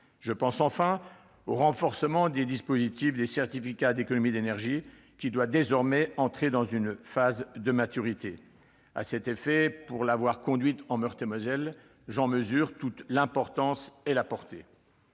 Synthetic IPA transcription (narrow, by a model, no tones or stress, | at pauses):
ʒəpɑ̃sɑ̃fɛ̃ | oʁɑ̃fɔʁsəmɑ̃d̪ed̪ispozit̪ifd̪esɛʁt̪ifikʲad̪ekɔnɔmid̪enɛʁʒi | kʲid̪wad̪ezɔʁmɛɑ̃t̪χed̪ɑ̃zynfazd̪əmat̪yʁit̪e | a̰sɛt̪efɛpuʁlavwaʁkɔ̃d̪ɥit̪ɑ̃mœʁt̪emɔzɛl | ʒɑ̃məzyːʁt̪ut̪lɛ̃pɔʁt̪ɑ̃selapɔʁt̪e